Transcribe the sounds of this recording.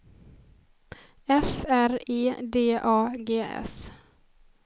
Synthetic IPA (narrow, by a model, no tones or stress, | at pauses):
ɛfæɾeːd̪eːʔɑːɡeːʔɛ̰s